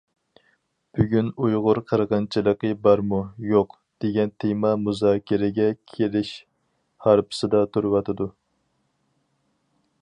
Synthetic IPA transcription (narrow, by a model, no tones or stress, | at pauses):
b̥yɡʲynujʁʊɾqʰəɾʁɑnt͡ʃʰilˠəqəbɑɾmujoq | d̪̥eɡʲɛnt̪ʰemɑmuzɑːkʲʰɪɾɪɡʲɛkʲʰelɪʃ | hɑɾpʰɨ̥sɨd̪ɑt̪ʰuɾwɑt̪ʰɨd̪u